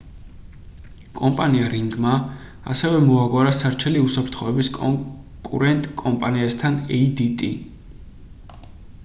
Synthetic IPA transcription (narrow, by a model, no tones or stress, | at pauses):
kʼɔmpʼaniaɾiŋɡma | a̰sɛvɛmɔaɡwaɾasaɾt͡ʃʰɛliusapʰɾt̪ʰχɔɛbiskʼɔ | kʼṵɾɛnt̪ʼkʼɔmpʼaniast̪ʰanɛd̪it̪ʼḭ